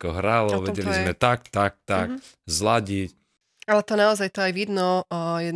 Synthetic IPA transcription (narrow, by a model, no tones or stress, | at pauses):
kɔɦɾalɔʋɛɟɛlizmɛt̪ak̚t̪ak̚t̪akzlaɟic | alɛt̪ɔnaɔzajt̪ɔajʋid̪nɔjɛ